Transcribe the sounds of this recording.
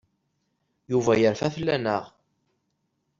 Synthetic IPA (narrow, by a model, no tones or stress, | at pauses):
juvæjəɾfæθlːænəʁ